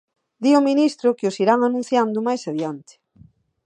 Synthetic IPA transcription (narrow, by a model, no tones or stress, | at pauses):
d̪iominist̪ɾʊkɪosiɾaŋanũn̟θjand̪ʊmajsaβjant̪ɪ̥